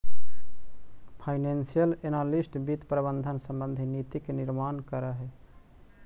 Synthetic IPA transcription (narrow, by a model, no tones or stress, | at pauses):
pʰajnensijəlenalisʈbit̪pɾəbənd̪ʱənsəmbənd̪ʱinit̪ikniɾmankəɾəɦɛ